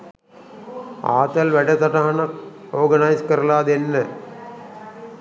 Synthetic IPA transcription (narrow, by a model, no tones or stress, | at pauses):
a̰ːt̪ɐlʋɛɖɐt̪ɐʈɐɦɐnɐkoːɡɐnajskɐɾɐlaːd̪enːə